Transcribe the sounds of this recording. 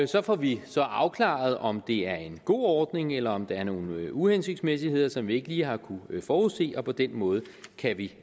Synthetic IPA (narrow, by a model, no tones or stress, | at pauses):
sɒ̽fɒʋisɒ̽ʔɑ̈ʊkʰlɑ̰̈ð̞̩ˠɒ̽md̥e̝æɐe̝nɡ̥o̝̰ːɒːd̥ne̝ŋelɐɒ̽md̥ɑæɐno̝ːn̩uhensyɡ̥smes̬ihe̝ð̞̰ˠɐsɒ̽mʋie̝ɡ̥əliːɦɑ̈kʰufɒːuðˠse̝̰ːɒ̽pʰɒ̽d̥enmɔ̽ːð̞̩ˠ | kʰæʋi